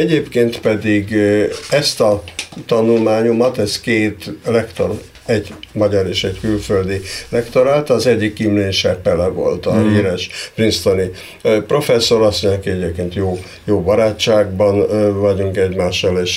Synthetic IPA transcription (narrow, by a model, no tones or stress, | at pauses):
ɛɟeːpkeːnt̪pɛd̪iɡɛst̪ɒt̪ɒnulmaːɲomɒt̪ɛskeːt̪lɛkt̪or | ɛɟmɒɟɒɾeːʃɛckylføld̪ilɛkt̪o̞ɾaːt̪ːzɛɟːikːimleːnʃɛpɛlɛvo̞̰lt̪ɒɦiːɾɛʃprinst̪oni | pro̞fɛsːo̞ɾɒsːoɲkiɛɟeːp̚keːnt̪joː | joːbɒɾaːt͡ʃːaːɡ̚bɒnvɒɟuŋkɛɟmaːʃːɒleʃ